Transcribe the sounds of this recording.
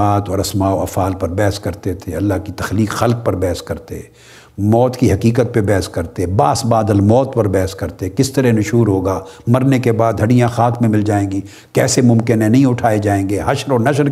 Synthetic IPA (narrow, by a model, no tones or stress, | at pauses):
aːt̪ɔːɾɐsmaːoɐfaːlpɐɾbɛɦskɐɾt̪et̪ʰeɐlːaɦkit̪ɐxliːkxɐlk̚pɐɾbɛːɦskɐɾt̪ḛ | mɔːt̪kiɦɐkiːkət̪̚pebɛɦəskɐɾt̪ebaːsbaːd̪əlmɔːt̪pɐɾbɛːɦskɐɾt̪ekɪst̪ɐɾɛnʊʃuːɾɦoːɡaːmɐɾnekebaːd̪ɦɐɽijãxaːkmẽmɪld͡ʒaːẽːɡiː | kɛːsemʊ̃mkɪnɦɛ̃nɐɦĩʊʈʰaːed͡ʒaːẽːɡeːɦɐʃɾɔːnɐʃəɾ